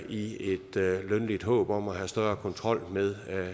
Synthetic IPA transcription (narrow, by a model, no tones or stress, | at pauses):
ie̝d̥lønlid̥ɦɔ̰̽ːb̥ɒ̽mæɦæsd̥ɶɐkʰɒ̽nt͡sʰʁɒ̽l̰meðˠ